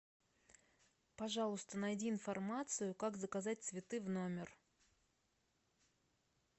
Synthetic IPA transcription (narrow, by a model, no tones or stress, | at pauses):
pɐʐɑlˠʊst̪ənɐjdʲiːnfɐrmat̪sɨjʊkakzəkɐzat̚ʲt̪svʲɪt̪ɨvnomʲɪr